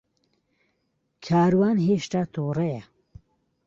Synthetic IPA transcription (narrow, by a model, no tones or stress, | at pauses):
kʰaːɾwaːnɦeːʃt̪aːt̪ʰoːrɐjɐ